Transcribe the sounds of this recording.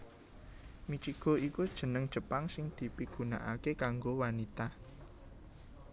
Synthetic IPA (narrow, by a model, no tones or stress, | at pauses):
mit͡ʃiɡ̥o̤ikud̥ʒ̥ə̤nəŋd̥ʒ̥ə̤paŋsɪŋd̪̥i̤piɡ̥una̰ʔakekaŋɡowanit̪a